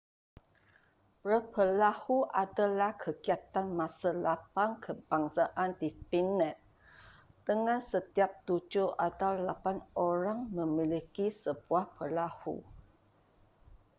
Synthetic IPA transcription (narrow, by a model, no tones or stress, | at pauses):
pɾəpəlahuʔadalahkʰəɡiat̪anmãsalapaŋkʰəb̥aŋsaʔandipinɛ̃t̪̚ | d̥əŋãnsət̪iap̚t̪ud͡ʒʊʔatawlapanoɾaŋmə̃milikisəb̥uahpəlahṵ